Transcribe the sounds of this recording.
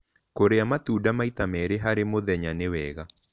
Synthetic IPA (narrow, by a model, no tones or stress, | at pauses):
koɾeamatuːdamaitamɛɾeɦaɾemoðɛɲanewɛːɣa